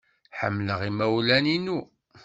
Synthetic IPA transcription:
ħə̰mːləʁimæwlæninu

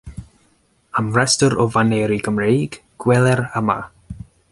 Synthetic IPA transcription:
amrɛstɔɾɔvaneːɾiɡəmrejɡɡ̥wɛlɛɾəma̰

